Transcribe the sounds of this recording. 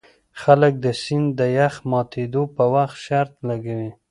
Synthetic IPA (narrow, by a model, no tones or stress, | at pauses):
xalək̚d̪əsɪnd̪əjaxmɑt̪ed̪opəwaxt̪ʃaɾt̪laɡawi